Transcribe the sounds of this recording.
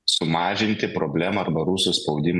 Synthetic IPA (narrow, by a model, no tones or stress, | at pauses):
sʊmɑːʒʲɪnʲt̪ʲɪpɾoːbʲlʲæːmɐɐɾbɐɾʊsʊspɒʊd̪ʲɪm